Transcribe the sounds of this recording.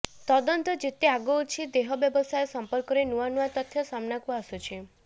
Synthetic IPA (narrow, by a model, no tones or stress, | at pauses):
t̪ɔd̪ɔnt̪ɔd͡ʒet̪eaɡɔut͡ʃʰid̪eɦɔbjɔbɔsajesɔmpɔɾkɔɾenuanuat̪ɔt̪ʰjɔsamnakuasut͡ʃʰi